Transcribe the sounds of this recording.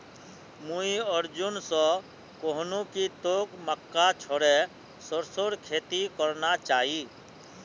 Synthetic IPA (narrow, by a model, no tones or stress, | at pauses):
muiɔɾd͡ʒʊnsɔ̃ | koɦnũkit̪oːkməkːat͡ʃʰɔɾɛ | sɔɾsoɾkʰeːt̪ikɔɾnat͡ʃaːɦiː